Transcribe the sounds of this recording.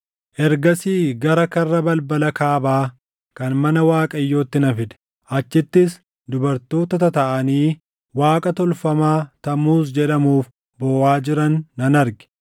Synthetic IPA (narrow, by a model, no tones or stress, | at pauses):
ʔɛɾɡɐsiːɡɐɾɐkɐrːɐbɐlbɐlɐkaːbaː | kɐnmɐnɐwaːkʼɐjːo̞ːt̪ːɪnɐfɪᶑ̪ɛ̥ | ʔɐt͡ʃːɪt̪ːɪs | d̪ʊbɐɾt̪o̞ːt̪ɐt̪ɐt̪ɐʔɐniː | waːkʼɐt̪ɔlfɐmaːt̪ɐmuːs̬d͡ʒɛᶑɐmuːf | bɔːwaːd͡ʒɪɾɐnːɐnɐɾɡɪ̥